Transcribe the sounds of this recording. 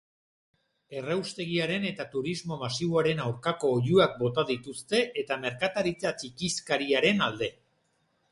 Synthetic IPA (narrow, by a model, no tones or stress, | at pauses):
e̞rewst̪e̞ɣ̞iaɾe̞ne̞t̪at̪uɾizmo̞masiβoaɾe̞nawɾkako̞ːʎuak̚bo̞t̪aðit̪ust̪e̞ʔet̪ame̞ɾkat̪aɾit͡sat͡ʃikiskaɾiaɾe̞nald̪e̞